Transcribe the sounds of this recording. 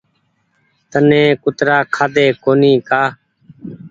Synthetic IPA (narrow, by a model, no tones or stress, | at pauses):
t̪ənẽːkʊt̪ɾaːkʰaːd̪eːkoːniːkaː